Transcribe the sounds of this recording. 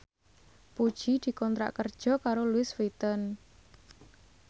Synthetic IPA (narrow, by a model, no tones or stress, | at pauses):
pud̥ʒ̥id̪̥i̤kɔnt̪ɾa̰ʔkərd̥ʒ̥ɔ̤kaɾolwɪsfit̪ən